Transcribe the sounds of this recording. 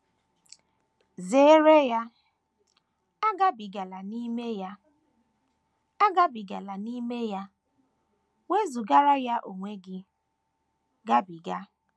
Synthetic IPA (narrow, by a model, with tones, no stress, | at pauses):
ze˦ɾe˦ja˦ | a˦ɡa˦bi˨ɡa˨la˨ni˦me˦ja˦ | a˦ɡa˦bi˨ɡa˨la˨ni˦me˦ja˦ | ŋʷe˦zu˨ɡa˦ɾa˦ja˦ʔo˨ŋʷe˦ɡɪ˦ | ɡa˦bi˨ɡa˦